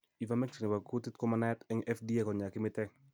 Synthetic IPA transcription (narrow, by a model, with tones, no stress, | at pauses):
i˨vamɛ˦ksi˨ni˨wa˨ku˦ti˦t̪kɔ˦ma˦nɛtɛ˦ŋɛ˦fdi˦ekɔ˨ɲa˨kɪ˦mɪ˦tɛ